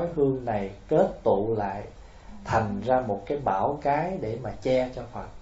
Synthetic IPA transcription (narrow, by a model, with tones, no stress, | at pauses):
jhɨ˧əŋna˨˩jke˦˥t̚t̪ṵ˧˨la̰ː˧˨j | t̪ʰa˨˩jŋ̟zaː˧mo˨˩t̚kaː˨˦jɓaː˧˩wkaː˨˦jɗe˧˩maː˨˩t͡ɕɛ˧t͡ɕɔ˧fa˨˩t̚